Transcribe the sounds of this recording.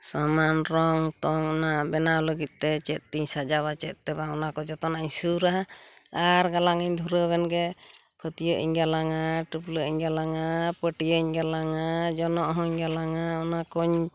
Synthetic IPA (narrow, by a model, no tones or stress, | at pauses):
samanɾɔŋt̪ɔŋɔnabɛnaɔləɡit̪̚ˀt̪ɛt͡ʃɛt̪̚ˀt̪iɲsad͡ʒaβat͡ʃɛt̪̚ˀt̪ɛbaɔnakɔd͡ʒɔt̪ɔnaiɲsuɾaɦa | aɾɡalaŋiɲd̪ʱuɾəβɛnɡɛ | kʰɔt̪ijəʔḭɲɡalaŋaʈupləiɲɡalaŋapəʈijəiɲɡalaŋad͡ʒɔnɔʔɦɔɲɡalaŋaɔnakɔɲ